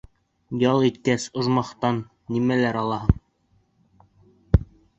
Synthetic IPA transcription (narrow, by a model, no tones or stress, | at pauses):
jɑlˠit̪kæsŏʒmɑχt̪ɑnːimælæɾɑlˠɑɦɤɴ